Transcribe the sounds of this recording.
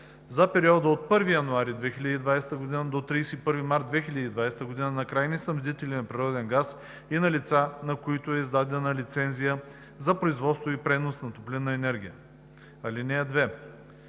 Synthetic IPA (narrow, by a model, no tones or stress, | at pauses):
zɐpɛɾiɔd̪əot̪̚pɤɾvijɐnʊaɾid̪vɛxilʲəd̪iːd̪vajsɛ̥t̪əɡod̪inəd̪ot̪ɾiːsɛipɤɾvimaɾt̪̚d̪vɛxilʲəd̪iːd̪vajsɛ̥t̪əɡod̪inənɐkɾajnisnɐmd̪it̪ɛlinɐpɾiɾɔd̪ɛnɡas | inɐlit̪sanɐkoit̪ʊɛizd̪ad̪ɛnɐlit̪sɛnzijə | zɐpɾoizvɔt̪st̪voipɾɛnosnɐt̪oplʲinːɐɛnɛɾɡʲijə | ɐlinɛɐd̪vɛ